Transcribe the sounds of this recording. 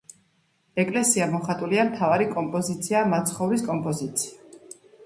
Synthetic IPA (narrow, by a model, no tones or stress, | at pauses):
ɛkʼlɛsiamɔχat̪ʼuliamt̪ʰavaɾikʼɔmpʼɔzit̪sʰiamat̪sʰχɔvɾiskʼɔmpʼɔzit̪sʰi̥a